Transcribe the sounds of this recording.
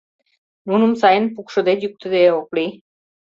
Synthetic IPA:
nunumsɑjənpukʃŏd̪et̪juk̚t̪ɨ̆d̪eokli

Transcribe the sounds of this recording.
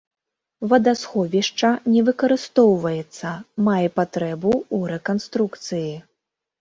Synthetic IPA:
vɐd̪asxɔvʲiʂt͡ʂɐnʲɛvɨkɐɾɨst̪ɔwvɐjɛt̪sːɐmajɛpat̪ɾɛbuːɾɛkanst̪ɾukt̪sɨji

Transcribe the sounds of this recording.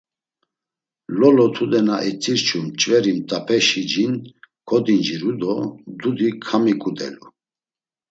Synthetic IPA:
lɔlɔt̪ʰud̪ɛnaʔɛt͡sʼiɾt͡ʃʰumt͡ʃʼvɛɾimt̪ʼapʰɛʃid͡ʒinkʰɔd̪ind͡ʒiɾud̪ɔd̪ud̪ikʰamikʼud̪ɛ̰lu

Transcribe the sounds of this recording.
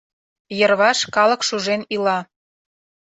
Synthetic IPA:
jərβɑʃkɑlɤ̆kʃuʒenilɑ

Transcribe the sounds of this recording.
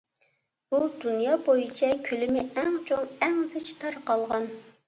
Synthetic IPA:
ud̪unjɑːbojit͡ʃʰɛkʲʰylɪmɪʔæŋt͡ʃʰoŋɛŋzɪt͡ʃʰt̪ʰɑɾqɑlˠʁɑn

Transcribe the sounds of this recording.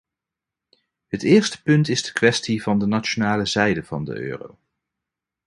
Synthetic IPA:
ɦətɪːɹstə̥pɵntɪzdə̥kʋɛstivɑndənat͡ʃonaːləzɛjdəv̥ɑ̰ndə̰ʔø̰ːro̰w

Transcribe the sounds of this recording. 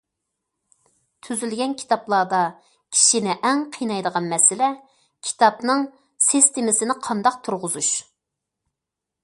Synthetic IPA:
t̪ʰyzylɡʲɛnkʲʰi̥t̪ʰɑplˠɑːd̪ɑ | kʲʰi̥ʃinɪʔɛŋqʰijnɑjd̪əʁɑnmɛsɪlɛ | kʲʰi̥t̪ʰɑpnɨŋ | sist̪ɪmɪsɪnɪqʰɑnd̪ɑq̚t̪ʰuɾʁʊzuʃ

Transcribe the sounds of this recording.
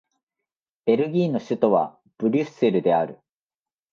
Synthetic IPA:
b̥e̞ɾɯ̟ɡʲiːno̞ɕɨt̪o̞βa̰ | b̥ɯ̟ɾʲɯse̞ɾɯ̟d̪e̞aɾɯ̟

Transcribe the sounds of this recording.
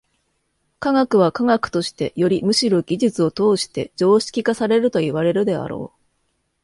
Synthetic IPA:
kaŋakɯ̟βakaŋakɯ̟̥t̪o̞ɕi̥t̪e̞̰jo̞ɾʲimɯ̟ɕiɾo̞ɡʲiʑɨt͡sɨo̞t̪o̞ːɕi̥t̪e̞d͡ʑo̞ːɕi̥kʲikasaɾe̞ɾɯ̟t̪o̞iβaɾe̞ɾɯ̟d̪e̞a̰ɾo̞̰ː

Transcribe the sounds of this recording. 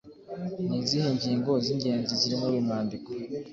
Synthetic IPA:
niːnziheɲɟiːŋɡo̞ziɲɟe̞ːnziziɾimoβimaːndiko̥

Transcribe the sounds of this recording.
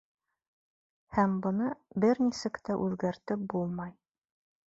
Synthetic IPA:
hæmbɤ̆nɤbɘɾnisɘ̆kt̪æʔʉðɡæɾt̪ɘp̚bulˠmɑj

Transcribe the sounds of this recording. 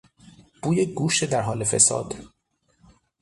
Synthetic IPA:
b̥uːjeɡuːʃt̪ed̪æɾɦɒːlefḛsɒ̰ːd̪

